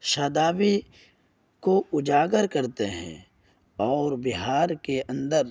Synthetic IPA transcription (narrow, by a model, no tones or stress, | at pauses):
ʃaːd̪aːbi | koʊd͡ʒaːɡəɾkɐɾt̪eɦɛ̰̃ | ɔːɾbɪɦaːɾkeʔɐ̃nd̪əɾ